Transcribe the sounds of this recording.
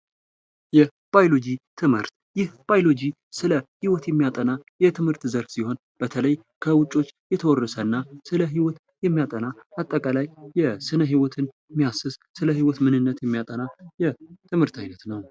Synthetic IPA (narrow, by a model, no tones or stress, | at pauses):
jɛ | b̥ajlo̞d͡ʒit̪ʰɨmhɨ̰ɾt̪ | jɪhb̥ajlo̞d͡ʒi | sɨləhiwɔt̪jɛmːijat̪ʼənajɛt̪ʰɨmhɨɾt̪zəɾfsiho̞n | b̥ət̪ʰələj | kʰəwʊt͡ʃʼo̞t͡ʃːjɛt̪ʰəwɔrːəsəɨnːasɨləɦiwɔt̪ | jɛmːijat̪ʼənaat̪ʼːəkʼalajːɛsɨnəɦiwɔt̪ʰɨn | mːijasɨssɨləhiwɔt̪mɨnɨnːət̪jɛmːijat̪ʼənajɛt̪ʰɨmhɨɾt̪ʰajnət̪nəw